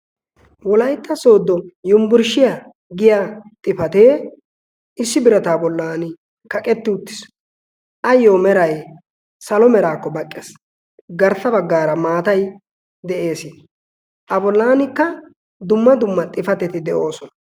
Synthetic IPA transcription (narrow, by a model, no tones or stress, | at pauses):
wɔlɐjt̪ːɐso̞ːd̪ːɔjʊmbʊɾʃɪja | ɡɪjaːt̪ʼɪfɐt̪e̞ː | ɪsːɪbɪɾɐt̪aːbɔlːaːnɪ | kɐkʼɛt̪ːɪʊt̪ːɪ̥s | ʔɐjːoːmɛɾɐj | sɐlɔmɛɾaːkːɔbɐkʼːes | ɡɐɾt̪ːɐbɐɡːaːɾɐmaːt̪ɐj | d̪ɛʔe̞ːsɪn | ʔɐbɔlːaːnɪkːɐ | d̪ʊmːɐd̪ʊmːɐt̪ʼɪfɐt̪ɛt̪ɪd̪ɛʔo̞ːsɔnɐ